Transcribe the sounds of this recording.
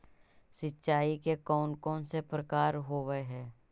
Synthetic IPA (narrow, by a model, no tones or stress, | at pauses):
sɪtːʃaːikekɔːnkõːnsepɾəkaːɾɦoːʋəɦɛː